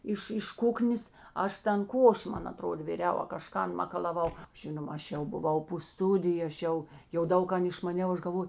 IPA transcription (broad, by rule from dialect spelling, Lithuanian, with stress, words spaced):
ˈɪʃ ɪʃ ˈkʊknʲeːs ˈɐʃ ˈtɐn ˈkoːʃʲɪ ˈmɐn ɐˈtroːdɐ ʋʲɪˈrʲɛʊ ɐ kɐˈʃkɐn mɐkɐlˠɐˈʋɐʊ ˈʒʲɪnoːmɐ ˈɐʃ jɛʊ bʊˈʋɐʊ poː ˈstʊdʲɪjʊ ɐʃ ˈjɛʊ jɛʊ ˈdɐʊk ˈkɐn ɪʃmɐˈnʲɛʊ ˈɐʃ ɡɐlˠˈʋoːj